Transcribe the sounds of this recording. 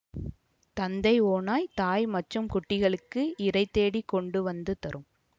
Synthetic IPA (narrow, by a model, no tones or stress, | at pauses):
t̪ɐnd̪ɐɪoːnaːjt̪aːjmɐʈrɯmkʊʈːɪɣɐɭɯkːɯʔɪɾɐɪt̪ːeːɽikɔɳɖɯʋɐnd̪ɯt̪ɐɾɯm